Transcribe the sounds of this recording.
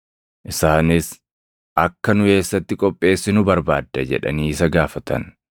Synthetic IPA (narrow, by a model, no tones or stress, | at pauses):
ʔɪsaːnɪs | ʔɐkːɐnʊke̞ːsːɐt̪ːɪkʼɔpʼːe̞ːsːɪnʊbɐɾbaːd̪ːɐd͡ʒɛ̰ᶑɐ̰niːsɐɡaːfɐt̪ʰɐ̰n